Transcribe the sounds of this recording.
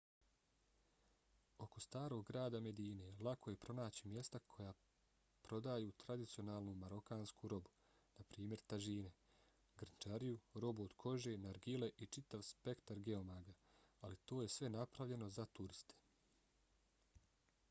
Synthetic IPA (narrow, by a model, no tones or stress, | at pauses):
o̞ko̞st̪aːɾo̞ɡːɾaːd̪ame̞d̪iːne̞lˠako̞je̞pɾo̞naːt͡ɕimje̞st̪akʰo̞jaː | pɾo̞d̪ajuːt̪ɾad̪it̪sio̞naːlˠnumaɾo̞kaːnskuɾo̞bu̥ | napɾiːmje̞ɾt̪aʒiːne̞ | ɡr̩nt͡ʃaɾijuɾo̞buod̪̥kʰo̞ʒe̞ːnaɾɡile̞ʔit͡ʃit̪aʋspe̞kt̪aɾɡe̞omaɡaalit̪o̞ːjesʋe̞napɾaʋʎe̞no̞zat̪uɾist̪ʰe̥